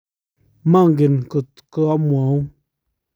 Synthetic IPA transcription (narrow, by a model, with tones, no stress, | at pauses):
ma˦ŋ˨ɡi˨nkɨ˨ | kɨ˧a˦mʷ˨a˨˦